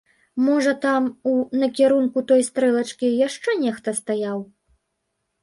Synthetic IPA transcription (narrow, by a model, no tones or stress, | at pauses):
mɔʐɐt̪amunɐkʲɛɾunkut̪ɔjst̪ɾɛlˠɐt͡ʂkʲijaʂt͡ʂɛnʲɛxt̪ɐst̪ajaw